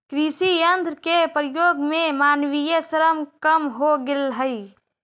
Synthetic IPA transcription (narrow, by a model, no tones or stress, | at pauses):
kɾisijənd̪ɾkepɾijoɡmemanʋijesəɾəmkəmɦoɡelɦəj